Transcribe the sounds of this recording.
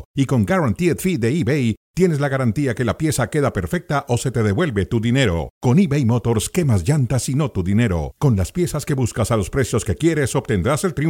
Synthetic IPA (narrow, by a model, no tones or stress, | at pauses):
iko̞ŋɡaɾant̪iet̪fiðe̞ibejt̪je̞ne̞s̬laɣaɾant̪iake̞lapje̞sake̞ðape̞ɾfe̞k̚t̪aʔo̞se̞t̪e̞ð̞e̞βwe̞lβe̞t̪uðine̞ɾo̞̰ko̞niβejmo̞t̪o̞ɾske̞mazʝant̪asino̞t̪uðine̞ɾo̞̰ko̞nlaspje̞saske̞βuskasalo̞spɾe̞sjo̞ske̞kje̞ɾe̞so̞bt̪e̞nd̪ɾaselt̪ɾi